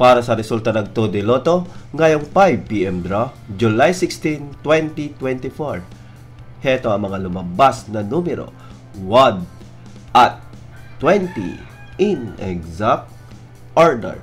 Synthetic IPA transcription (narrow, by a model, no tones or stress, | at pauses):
paːɾɐsɐɾɛsult̪ɐnɐɡ̚t̪od̪ɪloːt̪oŋajoŋpajb̚piʔɛmd̪ɾo | d͡ʒʊlajsɪkst̪int̪wɛnt̪it̪wɛnt̪ɪfoɹ | hɛt̪oɐŋmɐŋalʊmɐbasnɐnumɛɾo̰ | wad̪ | ʔɐt̪̚ː | wɛnt̪ḭ | ʔɪnɛɡzap̚t̪ | ʔaɹd̪ɛ̰ɹ